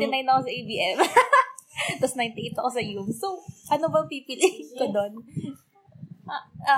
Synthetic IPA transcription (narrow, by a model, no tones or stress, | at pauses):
ɪnajnɐkosɐʔejbiːʔɛm | t̪ɐsnajnt̪ɪʔejt̪ːʔɐkosɐjumsowʔɐnobɐŋpiːpilɪkod̪on